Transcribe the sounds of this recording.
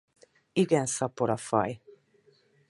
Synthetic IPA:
iɡɛnsɒpoɾɒfɒ̰j

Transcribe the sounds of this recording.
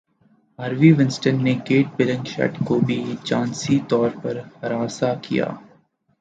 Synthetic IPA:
aːɾʋiʋɪ̃nsʈənːekeːʈ̚bɪlə̃ŋɡʃɛ̰ʈkobʱit͡ʃãːnsit̪ɔːɾpɐɾhɐɾaːsakija̰ː

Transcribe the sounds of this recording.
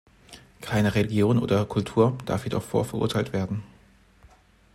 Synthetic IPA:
kʰaɪnəʁeliɡjoːnʔo̰ːdɐkʰʊltʰuːɐd̥a̰ɐfjeːdɔ̰χfo̰ːɐfɛɐʔʊ̰ɐtʰaɪltv̥eːɐdn̩

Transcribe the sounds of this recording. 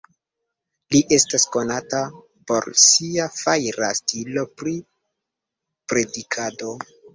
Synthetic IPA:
liʔe̞stasko̞nata | po̞̰ɾsiafajɾa̰stilo̞pɾi | pɾe̞dikʰado̞

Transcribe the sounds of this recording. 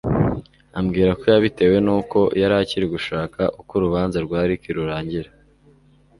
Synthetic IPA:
amɡiːɾako̞jaβite̞we̞nuːko̞jaɾaciɾiɡuʃaːkʰaʔukoɾuβaːnzaɾɡwaːɾikiɾuɾaːɲɟiɾa

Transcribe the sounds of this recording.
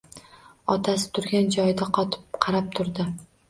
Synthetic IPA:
ɒt̪ʰas̬ɪ̥t̪ʰʊɾɡʲand͡ʒɒjd̪aqʰɒt̪ʰɪ̥p̚qʰɑɾap̚t̪ʰʊɾd̪ɪ

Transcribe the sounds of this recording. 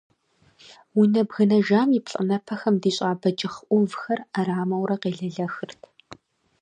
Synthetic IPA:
wʊnɐbɣɨnɐʒaːmipɬʼɨnɐpʰɐxɐmdiːɕʼaːbɐd͡ʒʼɪχʔʷʊvxɐraraːmɐwɾɐqeːɮɐɮɐxɨrtʰ

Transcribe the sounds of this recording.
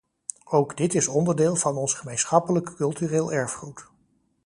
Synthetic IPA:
owɡdɪtɪsɔndəɹdeːlˠvɑnɔnsχəmejnsχɑpələkkɵlˠtyreːlˠɛɹfχrut

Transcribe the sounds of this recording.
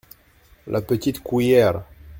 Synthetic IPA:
lʔapət̪it̪kujɛɾ

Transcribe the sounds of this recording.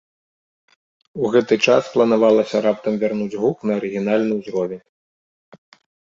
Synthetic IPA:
uɣɛt̪ɨt͡ʂasplˠɐnavalˠɐsʲɐɾapt̪ɐmvʲarnud͡zʲɣuknɐːɾɨɣʲinalʲnɨjuzɾɔvʲɛn

